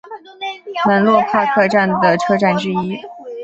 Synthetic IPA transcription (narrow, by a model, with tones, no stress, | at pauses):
nə˧˥nlwɔ˥˧pʰa˥˧kʰɤ˥˧ʈ͡ʂa˥˩nd̪ə˩ʈ͡ʂʰɤ˥ʈ͡ʂa˥˩nʈ͡ʂɻ̩˥i˥